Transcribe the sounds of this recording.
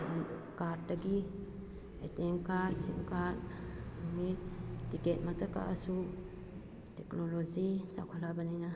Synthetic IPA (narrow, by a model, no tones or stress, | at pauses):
an | kadɐɡi | eteŋkaɾsḭŋkaɾuŋnitiket̚matʰaka̰ʔasu | teknolod͡ʒisa̰kʰɔlabɐnina